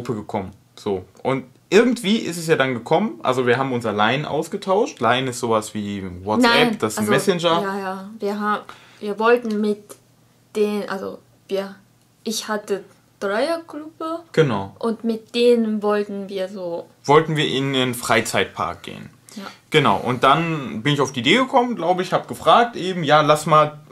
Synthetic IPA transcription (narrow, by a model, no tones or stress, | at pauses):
upəɡəkʰɔmən | z̥oːʔʊnt | ʔɪɐɡŋ̩tv̥iːʔɪ̰stɛs̬jaːdanɡəkʰɔmənʔa̰lzoviːɐɦaːbm̩ʊnsalaɪənʔa̰ʊsɡ̥ətʰaʊʃtlaɪnɪstz̥oːvasv̥iːwɔnɛpd̥asnmɛsɛnd͡ʒɐjajaːviːɐɦaːb | viːɐvɔltn̩mɪt | d̥eːnʔa̰lzo̰ | viːɐ | ʔɪçhatə | d̥ʁaɪɐklubəɡ̥ənaʊʔʊntmɪt̚d̥eːnənvɔltn̩viːɐzoː | vɔltn̩viːɐʔɪndɪnfʁ̥aɪt͡saɪt̚pʰa̰ɐk̚ɡ̥ḛːən | aɡ̥ənaʊʔʊ̰nt̚d̥anbɪnɪçaʊfd̥iːdeːɡəkʰɔmənɡlaʊbəɪçhaːbɡ̥əfʁ̥aːk̚tʔeːbm̩jaːlasmaːl